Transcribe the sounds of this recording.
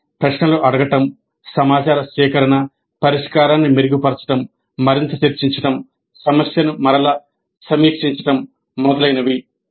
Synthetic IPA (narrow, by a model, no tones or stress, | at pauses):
pɾɐʂnɐluʔɐɽɐɡɐʈɐm | sɐmaːt͡ʃaːɾɐʃɛːkɐɾɐnɐ | pɐɾiʂkaːɾaːnːimiɾuɡipɐɾt͡ʃɐ̥ʈɐmː | ɐɾint̪ɐt͡ʃiɾt͡ʃiɲt͡ʃɐʈɐm | sɐmɐsjɐnumɐɾɐlɐ | sɐmiːkʂiɲt͡ʃɐ̥ʈɐmː | ɔd̪ɐlɐjnɐʋi